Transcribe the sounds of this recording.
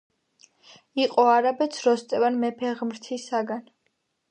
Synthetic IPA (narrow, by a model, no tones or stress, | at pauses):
iqʼɔaɾabɛt̪sʰɾɔst̪sʼɛvanmɛpʰɛʁmɾt̪ʰisaɡan